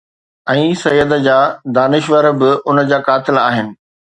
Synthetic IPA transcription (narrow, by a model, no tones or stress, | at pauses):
ɛ̃ːsɐjːəd̪əd͡ʑaːd̪aːnɪʃʋəɾbɪʔʊnəd͡ʑaːkaːt̪ɪla̰ːɦɪnɪ̆